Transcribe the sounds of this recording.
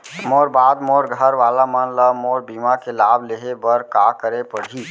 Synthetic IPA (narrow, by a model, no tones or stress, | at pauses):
moːɾbaːd̪moːɾɡʱəɾʋaːlamənləmoːɾbiːmakelaːbleːɦebəɾkaːkəɾepəɽɦiː